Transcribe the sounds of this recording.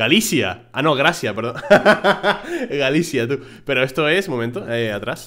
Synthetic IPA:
ɡalisja̰ʔano̞ɣɾasjape̞ɾðõn | ɣalisjat̪u | pe̞ɾoest̪oe̞smo̞mẽnt̪oeat̪ɾas

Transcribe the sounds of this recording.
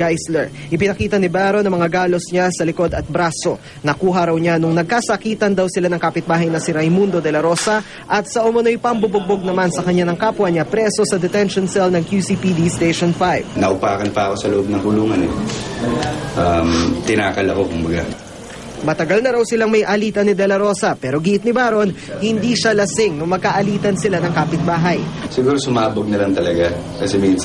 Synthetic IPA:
ɡajslɛɹ | ʔɪpɪnɐkiːt̪ɐnɪbaːɾonɐŋmɐŋaɡaːlo̞sɲasɐlɪko̞d̪ɐt̪̚bɾaːso̞ | nɐkuːɦɐɾɐwɲanʊŋnɐɡ̚kasɐkiːt̪ɐnd̪ɐwsɪlanɐŋkapɪt̪̚baːɦɐjnɐsɪɾɐjmund̪o̞d̪ɛlɐɾo̞sɐ | ʔɐt̪sɐʔʊmɐno̞jpɐŋbʊbʊɡ̚boɡ̚nɐmansɐkɐɲːanɐŋkaːpwɐɲapɾɛso̞sɐd̪ɛt̪ɛnʃonsɛlnɐŋkjusiːpid̪ist̪ejʃonfajbnɐʔʊpaːkɐnpɐɐko̞sɐloʔob̚nɐŋkʊluːŋɐnɛ | ʔamt̪ɪnaːkɐlɐko̞kʊmbɐɡa̰ | mɐt̪ɐɡalnɐɾawsɪlaŋmɐjʔɐliːt̪ɐnɪd̪ɛlɐɾo̞sɐpɛːɾo̞ɡiʔɪt̪nɪbaːɾo̞nhɪnd̪iːʃalɐsɪŋnoŋmɐɡ̚kaʔɐliːt̪ɐnsɪlanɐŋkaːpɪt̪̚baːɦɐjsɪɡuːɾosʊmaːboɡ̚nɐlɐŋt̪ɐlɐɡa | kɐsɛmin

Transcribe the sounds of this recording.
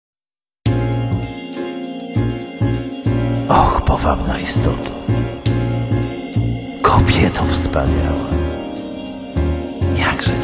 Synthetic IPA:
ɔxpɔvamnaist̪ɔ̰t̪ʰḁ | kʰɔbʲjɛt̪ʰɔfspa̰ɲa̰wa | jaɡʐɛ

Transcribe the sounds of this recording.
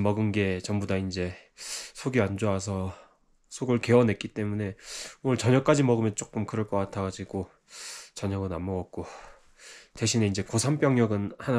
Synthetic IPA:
mʌɡɯnɡe̞t͡ɕʌmbudaind͡ʑe̞sʰoɡiand͡ʑoas̬ʰʌ | sʰoɡɯɭke̞ʌne̞k͈it͈e̞mune̞oʌɭt͡ɕʌɲʌk͈ad͡ʑimʌɡɯmjʌnt͡ɕ͈ok͈ɯmkɯɾʌɭk͈ʌk͈atʰaɡad͡ʑiɡo | t͡ɕʌɲʌɡɯnamːʌɡʌk̚k͈o | te̞ɕʰine̞ind͡ʑe̞kosʰamp͈jʌŋjʌɡɯnhana

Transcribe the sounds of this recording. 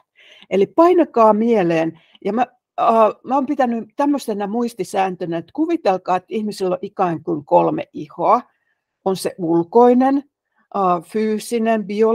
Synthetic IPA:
elippɑinɑkɑːmieleːn | jɑmæ | əmæoːmpit̪ænyt̪æmːøst̪enɑmuist̪isæːnt̪ønæet̪kuʋit̪elkɑːet̪ːihmisilːoʔikɑiŋkuiŋkolmḛʔʔihoɑ | onseʔulkoinen | ʔəːfyːsinembio

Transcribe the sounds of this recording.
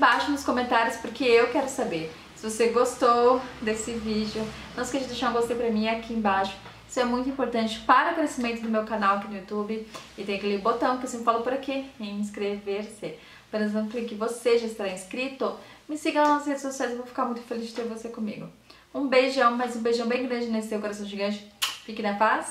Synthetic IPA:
baʃʊnʊskõmẽnt̪aɾjʊspoɾkeewkɛɾʊsabeɾ | sɪvoseɡost̪owd̪esɪvid͡ʒɪʊnɐ̃w̃sɪ̥kɛɾd͡ʒɪd̪eʃaɾũɡost̪ejpɾɐmĩakʰiẽbaʃʊ̥ | isʊɛmũj̃t̪ʊĩpoɾt̪ɐ̃nt͡ʃɪ̥paɾɐʊkɾesimẽnt̪ʊd̪ʊmewkanawɐkinʊjut̪ubɪɪt̪ẽj̃ʊkɪlebot̪ɐ̃w̃kɪosĩfalʊpoɾakiẽĩskɾeveɾsɪ | pẽnezt̪ɐ̃t̪ʊklikɪvoseʒaɪst̪aɾaĩskɾit̪ʊmɪsiɡɐnzɔsɐshed͡ʒɪsosiajzewvowfi̥kaɾmũj̃t̪ʊfelizd͡ʒɪt̪eɾvosekõmḭɡʊ | ũbejʒɐ̃w̃mazũbejʒɐ̃w̃bẽj̃ɡɾɐ̃nd͡ʒɪnesɪ̥sewkoɾasɐ̃w̃ʒiɡɐ̃nt͡ʃɪ̥fikɪnɐpas

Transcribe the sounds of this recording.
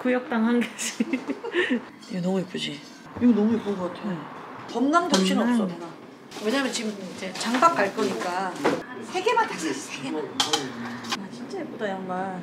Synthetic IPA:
kujʌk̚t͈aŋɦanɡed͡ʑi | ienʌmuip͈ʰud͡ʑi | iɡonʌmuipuɡʌatʰe | pʌmnaŋdʌpɕʰinɯnʌps͈ʌa | we̞ɲamjʌnt͡ɕimid͡ʑe̞t͡ɕaŋbak̚k͈aɭk͈ʌɲik͈a | sʰeɡe̞mantʰaɕieɡe | aɕʰint͡ɕ͈ep͈odajʌŋmaɭ

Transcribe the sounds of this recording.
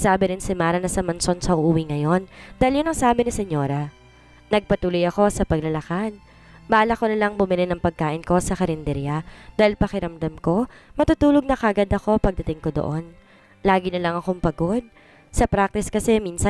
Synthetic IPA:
saːbɪɾɪnsɪmaːɾɐnɐsɐmɐnso̞nsɐʔuʔuːwiŋɐjo̞nd̪aːhɪljʊnɐŋsaːbɪnɪsɛɲːo̞ːɾɐ | nɐɡ̚pɐt̪uːlojɐko̞sɐpɐɡ̚lɐlɐkan | baːlɐkonɐlɐŋbʊmɪlɪnɐŋpɐɡ̚kaːʔɪnko̞sɐkɐɾɪnd̪ɛɾjɐd̪aːhɪlpɐkɪɾɐmd̪ɐmko̞mɐt̪uːt̪uːloɡ̚nɐkɐʔɐɡad̪ɐko̞pɐɡ̚d̪ɐt̪ɪŋkod̪o̰ʔo̞n | laːɡɪnɐlɐŋɐko̞mpɐɡo̞d̪̚ | sɐpɾak̚t̪ɪskɐsɛminsɐ

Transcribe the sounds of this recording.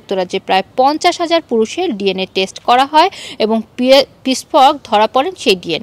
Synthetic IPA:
k̚t̪oɾad͡ʑepɾaepɔnt͡ɕaʃɦad͡ʑaɾpuɾuʃeɾɖieneʈesʈkɔɾaɦɔeeboŋpispɔɾɡd̪ʱɔɾapɔɾenʃejɖiene

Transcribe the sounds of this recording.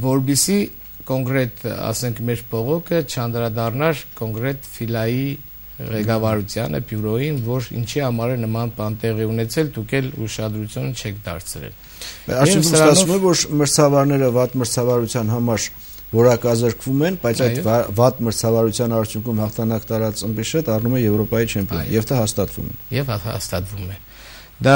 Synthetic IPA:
vɔɾbisi | kɔŋkɾɛt̪ɑ̰sɛŋkʰmɛɾbɔʁɔkʰət͡ʃʰɑnd̪ɾɑd̪ɑrnɑɾkɔŋkɾɛt̪filɑji | ʁɛkɑvɑɾut͡sʰjɑnʔə̰bjuɾɔjinvɔɾḭnt͡ʃʰihɑmɑɾɛnəmɑnpɑnt̪ɛʁɛunɛt͡sʰɛld̪ukʰɛluʃɑd̪ɾut͡sʰjunt͡ʃʰɛkʰd̪ɑ̰ɾt͡sʰɾɛ̰l | ɑɾtʰuŋkumsɑsvumɛvɔɾməɾt͡sʰɑvɑɾnɛɾəvɑt̪məɾt͡sʰɑvɑɾut͡sʰjɑnɦɑmɑɾ | vɔɾɑkɑzəɾkʰvumɛnbɑjt͡sʰɑj̪vvɑt̪məɾt͡sʰɑvɑɾut͡sʰjɑnɑɾt͡sʰjuŋkʰumhɑχt̪ʰɑnɑkt̪ʰɑɾɑt͡səmbiʃəd̪ɑrnumɛjɛvɾɔpɑjit͡ʃʰɛmpʰjɔ̰n̰jɛvd̪ɑhɑst̪ɑt̪vṵmɛ̰jɛvhhɑ̰st̪ɑt̪vumɛ | d̪ɑ

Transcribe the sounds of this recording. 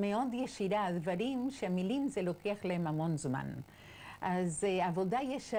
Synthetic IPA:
meo̞d̪jeʃiɾad̪vaɾimʃeamilimzelo̞keaχlaɦemamo̞nzma̰n | ʔazavo̞dajeʃa

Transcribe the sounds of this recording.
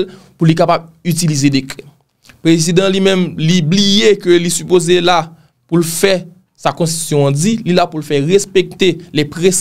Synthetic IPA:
l | pulikapabyt͡silizedeklɛ | pʁezid̪ãlimɛ̃mliblijekølisypozela | pulfɛ | sakɔ̃s̬i̥sjɔ̃d͡zililapulfɛʁespek̚t̪elɛpʁes

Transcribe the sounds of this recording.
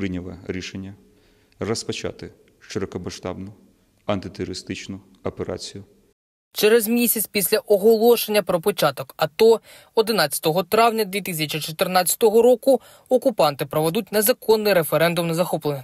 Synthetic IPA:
ɾɪnʲɔʋɛ̰ɾʲiʃenʲːɐ | rɔspɐt͡ʃa̰t̪ɪ | ʃt͡ʃeɾɔkɔmɐʃt̪ɑ̰bnʊ | ɐnt̪ɪt̪ʊɾɾɪst̪ɪt͡ʃnʊ | ɐpeɾa̰t͡sʲijʊ | t͡ʃɛɾɛzmʲisʲɐt͡sʲpʲisʲlʲɐʔɔɦɔlˠɔʃenʲːɐpɾɔpɔt͡ʃɑt̪ɔkɐt̪ɔ | ɔd̪ɪnɑt͡sʲɐ̥t̪ɔɦɔt̪ɾɑwnʲɐd̪ʋʲit̪is̬ʲɐt͡ʃit͡ʃɔt̪ɪrnɑt͡sʲːɐ̥t̪ɔɦɔɾɔkʊ | ɔkʊpɑnt̪ɪpɾɔʋɛd̪ut̚ʲnezɐkɔnːɪjɾefeɾɛnd̪ʊmnɐzɐxɔplˠenɐ

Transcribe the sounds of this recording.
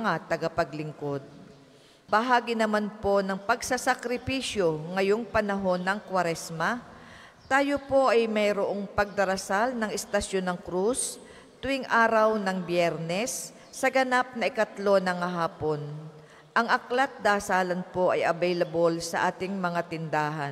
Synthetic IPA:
ŋat̪ɐɡapɐɡlɪŋko̞d̪̚ | bɐɦaːɡɪnɐmanpo̞nɐŋpɐɡsɐsɐkɾɪpisjo̞ŋɐjo̞ŋpɐnɐɦo̞nːɐŋkwɐɾɛsmɐ | t̪aːjo̞po̞ʔɐjmɐjɾoʔoŋpɐɡ̚d̪ɐɾɐsalnɐŋɛst̪ɐʃjonɐŋkɾus | t̪ʊʔɪŋʔaːɾɐwnɐŋbjɛɾnɛsː | ɐɡɐnap̚nɐʔɪkɐt̪lo̞nɐŋɐɦaːpo̞n | ʔɐŋʔɐklɐt̪̚d̪aːsaːlɐnpo̞ʔɐjʔɐbɛjlɐbolsɐʔaːt̪ɪŋmɐŋat̪ɪnd̪aːɦɐn

